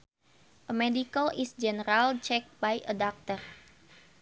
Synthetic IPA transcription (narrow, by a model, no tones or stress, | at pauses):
ʔəmɛdikəlisd͡ʒɛnəɾalt͡ʃɛk̚bajʔədak̚t̪ər